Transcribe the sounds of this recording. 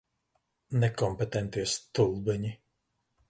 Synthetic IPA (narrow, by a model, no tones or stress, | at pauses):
nɛkɔmpet̪ɛnt̪iɛst̪ulˠbɛɲi